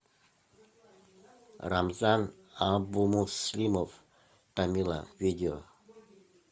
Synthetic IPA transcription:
ramzan | abumuslimɔf | tamila̰vidio

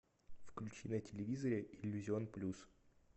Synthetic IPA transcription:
fklʲʉt͡ɕinətʲɪlʲɪvʲizəɾʲɪʔɪlʲːʉzʲɪo̞nplʲus

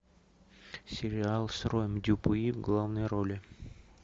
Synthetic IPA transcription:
sʲɪɾʲɪalˠsrojmdʲupuivɡlˠavnəjɾolʲɪ

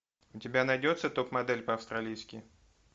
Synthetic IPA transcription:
ʊtʲɪbʲanɐjdʲo̞t̪sət̪opmɐd̪ɛlʲpəɐfst̪ɾɐlʲijskʲɪ

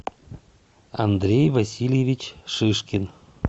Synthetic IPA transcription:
ɑ̰nd̪ɾʲejvɑsʲilʲjevʲit͡ɕʂɨʃkʲen

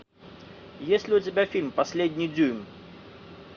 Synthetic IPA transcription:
jesʲtʲlʲɪut͡sʲabʲafʲilʲmpasʲlʲed̪ʲnʲid͡zʲujmʲ

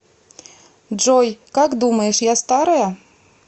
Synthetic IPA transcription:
ʐɔjkakd̪umɐjɛʂjast̪aɾɐjɐ

